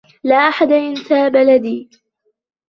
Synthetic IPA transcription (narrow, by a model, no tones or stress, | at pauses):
laːʔaħad̪aʔɪnt̪aːbalad̪iː